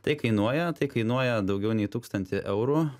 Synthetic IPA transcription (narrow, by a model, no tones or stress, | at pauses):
t̪ɐɪkɐɪnuɔjɛt̪ɐɪkɐɪnuɔjɛd̪ɐʊɡʲɛʊnʲɛɪt̪uːkst̪ɐnʲt̪ʲɪʔɛʊɾu